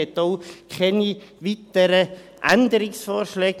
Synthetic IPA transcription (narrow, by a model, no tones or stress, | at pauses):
ɛt̪oʊkʰɛnivitəɾəʔæ̰nd̪əɾɪsfɔːɾʃlɛːɡ